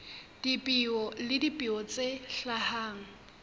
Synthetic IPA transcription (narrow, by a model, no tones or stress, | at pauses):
d̥ipʼiɔlɪdipʼiɔt͡sʼeɬahaːŋ̩